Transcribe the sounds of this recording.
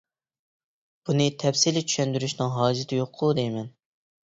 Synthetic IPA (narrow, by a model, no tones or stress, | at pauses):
b̥unɨt̪ʰɛpsilɪt͡ʃʰy̥ʃɛnd̪yɾyʃnɨŋɦɑːd͡ʒɪt̪ʰɪjoqʰːʊd̪ejmɛn